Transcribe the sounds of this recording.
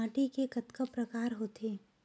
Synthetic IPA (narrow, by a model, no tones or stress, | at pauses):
aːʈikekɐt̪kəpɾɐkaːɾɦoːt̪eː